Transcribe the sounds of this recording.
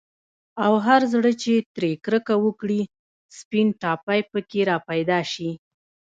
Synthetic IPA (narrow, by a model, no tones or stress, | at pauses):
awɦaɾzɽət͡ʃet̪ɾekɾəkawəkɽi | spinʈɑpajpəkeɾɑpajd̪ɑʃi